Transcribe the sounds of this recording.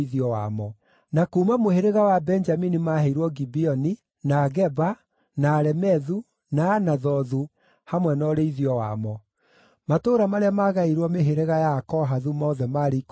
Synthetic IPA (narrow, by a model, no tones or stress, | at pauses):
iðiɔwa̰mɔ | nakuːmamoheɾeɣawabɛnd͡ʒaminimaheiɾwɔɡibiɔni | naɣɛba | naːɾɛmɛðu | naːnaðɔðu | hamwɛnɔːɾeiðiɔwa̰mɔ | matoːɾamaɾeamaɣaiɾwɔmeɦeɾeɣajakɔɦaðumɔːðɛmaːɾek